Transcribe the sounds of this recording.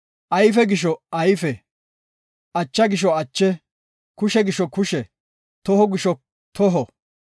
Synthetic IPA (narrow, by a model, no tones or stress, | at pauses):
ʔɐjfɛɡɪʃ̬ɔɐjfɛ | ʔɐt͡ʃːɐɡɪʃ̬ɔɐt͡ʃːɛ | kʊʃɛɡɪʃɔkʊʃɛ | t̪ɔɦɔɡɪʃɔ | t̪ɔɦɔ